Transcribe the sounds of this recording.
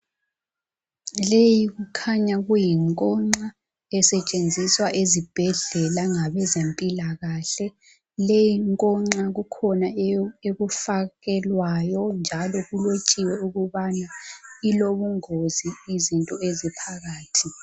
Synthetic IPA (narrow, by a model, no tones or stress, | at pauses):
lejiɣukʰaɲaɣujiŋkʼɔŋ͡ǀa | ɛsɛt͡ʃʼend͡zʱiswaʔezib̥ʱɛɮɛlaŋaβɛzempʼilaɣaɬɛ | lejiŋkʼɔŋ͡ǁaɣukʰɔnaeβufaɣɛlwajɔnd͡ʒʱalɔɣulot͡ʃʼiwɛuɣuβanailoβuŋoziːzintʼɔezipʰaɣaːtʰi